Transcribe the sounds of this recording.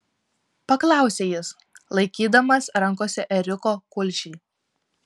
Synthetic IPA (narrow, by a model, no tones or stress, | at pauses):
pɐklˠɑˑʊsʲeːjɪs | lˠɐɪkʲiːd̪ɐmɐsɾɐŋˑkoːsʲɛʔɛɾʲɪkoːkʊlʲʃʲiː